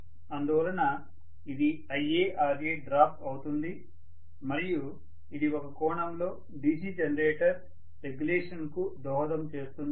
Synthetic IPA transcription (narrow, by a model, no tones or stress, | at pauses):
ɐnd̪uʋɐlɐnɐ | id̪i | ɐjeːʔɐlɐɡeːɖɾaːp̚ʈɐwut̪und̪i | mɐɾiju | id̪iɔkɐkɔːɳɐmlo̞ː | ɖiːd͡ʒiːd͡ʒɐnɐɾeːʈɐɾ | ɾeɡuleːʂɐnkud̪ɔːɦɐd̪ɐmt͡ʃe̞ːst̪und̪i